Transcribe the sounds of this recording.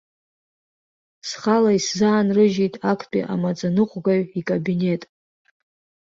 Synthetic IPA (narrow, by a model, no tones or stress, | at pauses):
sχalaiszaːnrɨʒijtʼakʰpʼḭʔa̰mat͡sʼanɨqʷʼɡaɥikʼabine̞tʼ